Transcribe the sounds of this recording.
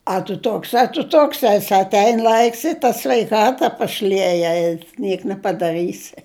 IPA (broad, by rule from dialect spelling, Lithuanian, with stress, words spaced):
ɐ tʊ ˈtoːks ɐ tʊ ˈtoːks ˈɑːsʲɪ ɐtʲˈɛɪn ˈlˠɐɪks ɪ tɐ sʲʋʲɛɪˈkɑːtɐ pɐˈʃʲlʲiɛjɛ ɪ ˈnʲiɛk nʲɛpɐdɐˈrɨsʲɪ